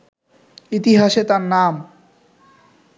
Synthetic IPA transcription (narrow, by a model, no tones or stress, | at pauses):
it̪iɦaʃet̪aɾnam